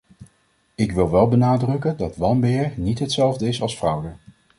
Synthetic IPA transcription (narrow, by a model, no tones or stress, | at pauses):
ɪkʋɪlˠʋɛlˠbənaːdrɵkəndɑtʋɑnmbɪːɹnitɦətsɛlˠvdəɪsɑlˠsfrʌwdə